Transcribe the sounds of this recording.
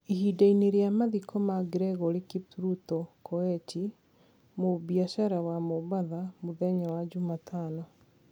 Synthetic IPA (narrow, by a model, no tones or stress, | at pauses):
ihidaineɾeamaðikɔmaɡɾɛɣɔɾekipɾutɔkɔɛt͡ʃi | mobiaʃaɾawamoβaðamoðɛɲawad͡ʑumatʰaːnɔ